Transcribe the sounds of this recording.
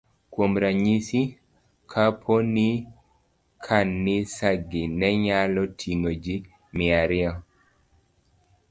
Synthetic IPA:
kwomɾaɲisi | kʰapʰoni | kʰanːɪsaɡinɛɲalɔtʰiŋod͡ʒi | mɪaɾɪɔ

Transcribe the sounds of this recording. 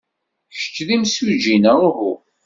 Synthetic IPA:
çə̥t͡ʃːðimsud͡ʒinəʊɦu

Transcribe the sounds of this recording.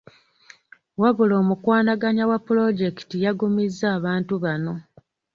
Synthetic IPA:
waβulo̞ːmukwaːnaɡaɲawapːulo̞ɟe̞ki̥tijaɡumizːaːβaːntuβano̞

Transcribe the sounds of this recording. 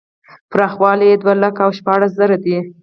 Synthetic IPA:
pɾɑxwɑlijed̪walakaawʃpɑɽas̬zaɾad̪i

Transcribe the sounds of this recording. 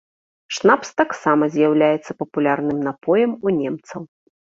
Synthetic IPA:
ʂnapst̪aksamɐzʲjawlʲajɛt̪sːɐpɐpulʲarnɨmnapɔjɐmunʲɛmt̪sɐw

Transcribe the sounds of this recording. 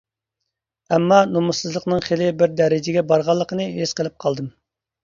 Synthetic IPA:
ɛmːɑnomusɨzlˠəqnɨŋχelɪbɪɾd̪ɛɾɪd͡ʒɪɡʲɛbɑɾʁɑlˠːəqənɨɦesqəlˠɨp̚qʰɑlˠd̪ɨm

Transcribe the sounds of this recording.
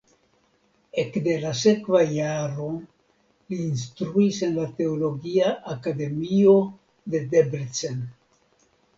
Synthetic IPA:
ekde̞las̬e̞kvajaɾo̞ | liːnstɾuise̞nlate̞olo̞ɡiaʔakade̞mio̞ | de̞debɾt͡sen

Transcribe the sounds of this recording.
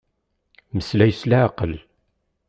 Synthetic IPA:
məslæjslæʕqəl

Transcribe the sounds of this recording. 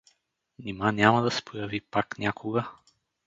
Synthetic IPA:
nʲimanʲamɐd̪ɐsɛ̥pʰojɐvipaknʲakʰoɡə

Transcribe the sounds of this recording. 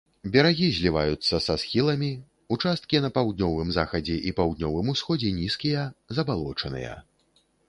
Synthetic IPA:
bʲɛɾaɣʲizʲlʲiva̰jut̪sːɐsasxʲilˠɐmʲi | ut͡ʂast̪̚kʲinɐpawd̪̚nʲɔvɨmzaxɐd͡zʲɛʔipawd̪̚nʲɔvɨmusxɔd͡zʲɛnʲiskʲijɐzɐbalˠɔt͡ʂɐnɨ̰jɐ̰

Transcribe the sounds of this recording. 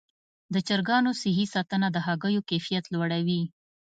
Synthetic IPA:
d̪ət͡ʃəɾɡɑnosɪɦisɑt̪ənad̪əɦɑɡəjokefijat̪lwaɽawi

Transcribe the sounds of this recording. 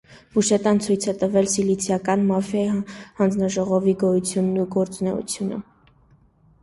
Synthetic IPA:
v̥uʃɛt̪ɑnt͡sʰujt͡sʰɛt̪əvɛlsilit͡sʰjɑkɑnmɑfjɑjihɑnd͡znɑʒɔʁɔviɡɔjut͡sʰjunːuɡɔɾt͡sunɛ̰ṵt͡sʰjunə̰

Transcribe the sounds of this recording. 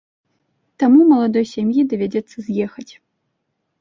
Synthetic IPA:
t̪amumɐlˠad̪ɔjsʲamjid̪ɐvʲad͡zʲɛt̪sːɐzʲjɛxɐt͡sʲ

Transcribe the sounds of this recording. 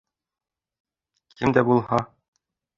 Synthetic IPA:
kɘmd̪æbulˠhɑ

